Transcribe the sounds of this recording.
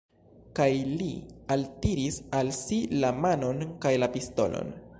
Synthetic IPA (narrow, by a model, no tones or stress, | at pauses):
kajlialtiɾisalsilamano̞nkajlapisto̞̰lo̞̰n